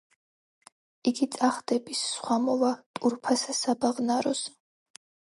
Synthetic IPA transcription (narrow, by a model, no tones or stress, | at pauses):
iɡit̪sʼaχd̪ɛbisːχwamɔvat̪ʼuɾpʰasasabaʁnaɾɔs